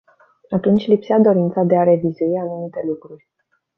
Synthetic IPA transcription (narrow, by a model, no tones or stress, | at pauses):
at̪unt͡ʃʲlipsead̪o̞ɾint̪sad̪e̞aɾe̞vizuianumit̪e̞lukɾurʲ